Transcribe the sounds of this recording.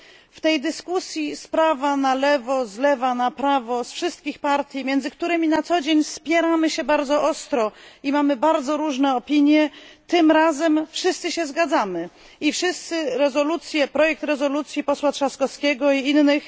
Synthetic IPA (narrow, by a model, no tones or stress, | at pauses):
ft̪ɛjd̪ɘskusʲjispɾavanalɛvɔzlɛvanapɾavɔsfʂɘst̪̚kʲixpaɾt̪ʲjimʲjɛnd̪zɘk̚t̪uɾɘmʲinat̪sɔd͡ʑeɲspʲjɛɾamɘɕɛbaɾd̪zɔʔɔst̪ɾɔimamɘbaɾd̪zɔɾuʐnɛɔpʲiɲjɛt̪ɘmɾazɛmfʂɘst̪sɘɕɛzɡad̪zamɘ | ifʂɘst̪sɘɾɛzɔlut̪sʲjɛpɾɔjɛk̚t̪ɾɛzɔlut̪sʲjipɔswatʂaskɔskʲɛɡɔiinːɘx